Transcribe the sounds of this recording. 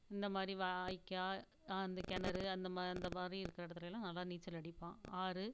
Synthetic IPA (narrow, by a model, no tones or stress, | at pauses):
ɪnd̪ɐmaːd̪ɾiʋaːjkːaː | ɐnd̪ɐkɛnɐɾɯɐnd̪ɐmɐnd̪ɐmaːd̪ɾiɪɾɯkːɪɾɐɪɽɐt̪ːɪlɐjɪlːãːnɐlːaːniːt͡ʃːɐlɐɽɪpːãːaːɾɯ